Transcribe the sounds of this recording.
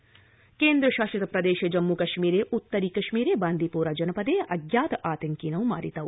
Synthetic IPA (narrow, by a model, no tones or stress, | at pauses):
keːnd̪ɾɐʃaːʃɐt̪ɐpɾɐd̪eːʃɐd͡ʒɐmːukɐʃmiːɾeːʔut̪ːɐɾiːkɐʃmiːɾeːbaːnd̪ʱipuːɾad͡ʒɐnɐpɐd̪eːʔɐɡjaːt̪ɐʔaːt̪ɐŋkiːnɐʋma̰ːɾit̪ɐʋ